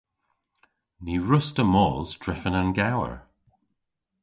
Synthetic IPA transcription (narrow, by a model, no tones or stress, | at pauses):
niɹʊstəmɔːlˠz̥d̥ɹɪfənənɡawə̰ɹ